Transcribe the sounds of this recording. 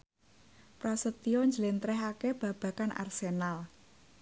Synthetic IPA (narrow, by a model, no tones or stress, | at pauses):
pɾasət̪iɔɲd͡ʒəlent̪ɾɛɦakeb̥ä̤b̥ä̤kanʔa̰rsenal